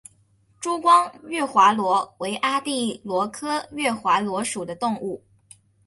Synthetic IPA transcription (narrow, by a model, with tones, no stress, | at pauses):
ʈ͡ʂu˥kwɑ˥ŋɥɛ˥˩xwa˧˥lwɔ˧˥we˧˥ɪʔa˥t̪i˥˩lwɔ˧˥kʰɤ˥ɥɛ˥˩xwa˧˥lwɔ˧˥ʂu˨˩d̪ə˦t̪ʊ˥˧ŋu˥˩